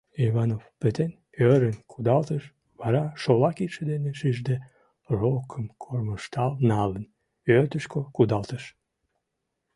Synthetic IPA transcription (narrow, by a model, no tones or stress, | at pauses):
iβɑnofpet̪en | øɾənkʰud̪ɑlt̪əʃ | βɑɾɑʃolɑkiʃed̪eneʃiʒd̪e | rokʰəmkʰorməʃt̪ɑlnɑlən | øt̪əʃkokud̪ɑlt̪əʃ